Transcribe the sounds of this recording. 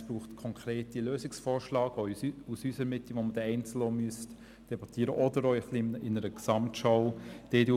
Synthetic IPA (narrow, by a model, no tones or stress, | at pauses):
b̥ɾuːχtkʰɔŋkʰɾeːtiløːsɪksfɔːɾʃlɑːɡɔusysəɾmɪtliʋoməd̥ɛɛɪnt͡sl̩ɔmyəst | d̥ɛbɑtiːəɾəʔɔdəɾɔχliɪnəɾəksɑmtʃɔʊd̥edu